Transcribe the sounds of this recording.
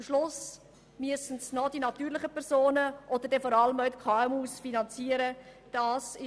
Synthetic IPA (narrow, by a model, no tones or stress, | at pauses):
mʃlʊs | myəsn̩snɔd̥inɑt̪yːɾlɪχəpʰɛɾzoːnəʔɔd̪əɾdɛfɔɾɑləmœʊtkʰɑɛmuːsfinɑnt͡siːəɾə | d̥ɑːsɪ